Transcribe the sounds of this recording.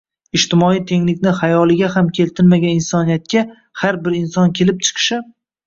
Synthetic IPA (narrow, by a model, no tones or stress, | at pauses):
ɪʃt̪ɪmɒijt̪ʰe̞ŋlɪkʲnɪhajɒlˠɪɡʲaɦamkʲʰe̞lt̪ʰɪlmaɡʲanɪnsɒnijat̪̚kʲa | haɾbɪɾɪnsɒnkʲʰe̞lɪp̚t͡ʃʰɨ̥qʰɨ̥ʃɪ